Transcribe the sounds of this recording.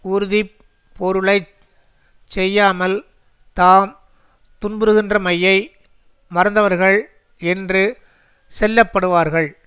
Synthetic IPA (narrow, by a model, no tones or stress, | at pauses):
ʊɾɯði | pʰːɔɾɯɭɐɪ | t͡ʃːɛjːaːmɐl | t̪aːm | t̪ʊnbɯɾɯɣɪndrɐmɐjːɐɪ | mɐɾɐnd̪ɐʋɐɾɣɐɭ | ɛndrɯ | sɛlːɐpːɐɽɯʋaːɾɣɐɭ